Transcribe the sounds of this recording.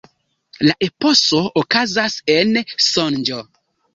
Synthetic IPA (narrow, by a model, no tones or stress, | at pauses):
laʔe̞po̞so̞okazase̞nsond͡ʒo